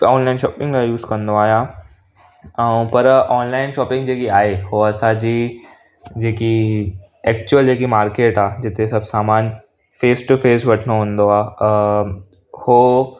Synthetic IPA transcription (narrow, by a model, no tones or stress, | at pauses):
ɔːnlaːɪnʃɔːpɪ̃ŋɡajuːzkɐ̃nd̪oaːɦijã | ɛ̃ũpɐɾɔːnlaːɪnʃɔːpɪ̃ŋɡd͡ʑeːkiaːɦeɦoɐsãd͡ʑiː | d͡ʑeːki | ɛːk̚t͡ɕʊəld͡ʑeːkimaːɾkeːʈaːd͡ʑɪt̪ʰesɐbʱsaːmaːn | feːsʈufeːsʋɐʈʰəɽ̃oɦũːnd̪oaː | hoː